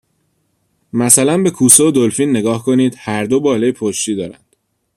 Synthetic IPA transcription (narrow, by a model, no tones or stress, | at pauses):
mæsælænbe̞kʰuːsood̪olfinːe̞ɡɒːhkʰo̞niːd̪̥hæɾd̪o̞bɒːlɒːjepʰoʃt̪iːd̪ɒːɾæ̰nd̪̥